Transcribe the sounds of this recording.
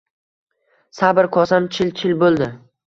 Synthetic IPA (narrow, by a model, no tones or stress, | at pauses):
sabɾkʰɒsamt͡ʃʰɪlt͡ʃʰɪlbolˠd̪ɪ